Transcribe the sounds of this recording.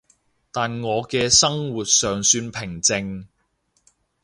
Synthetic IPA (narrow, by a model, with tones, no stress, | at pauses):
t̪aː˨nŋɔː˨˧kɛː˧sɐ˥ŋwu˨t̚sœː˨ŋsyː˧npʰɪ˨˩ŋt͡sɪ˧ŋ